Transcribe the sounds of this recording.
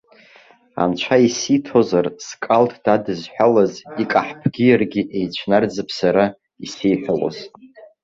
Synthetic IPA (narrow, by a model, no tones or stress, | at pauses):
a̰nt͡ʃʷʰaisitʰozarskʼaltʰd̥adɨzħʷᶣalazikʼaħpʰɡʲijarɡʲiʔe̞jt͡ɕʷʰnard͡zɨpʰsaɾa | isejħʷᶣalo̰z̥